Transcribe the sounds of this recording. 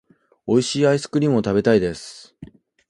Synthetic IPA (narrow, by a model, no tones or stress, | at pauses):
o̞iɕiːaisɨ̥kɯ̟ɾʲimɯo̞t̪abe̞t̪aid̪e̞sɨ̥